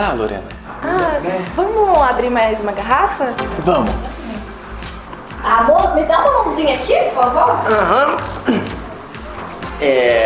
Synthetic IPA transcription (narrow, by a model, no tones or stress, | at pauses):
aloɾḛ̃nɐ | avɐ̃mʊnɐabɾiɾmajzũmɐɡaɦafɐvɐ̃mʊ̃ | amõmɪd̪ãmɐmõzĩɲɐakipʊɾfavoãɦɐ̃ | ɛ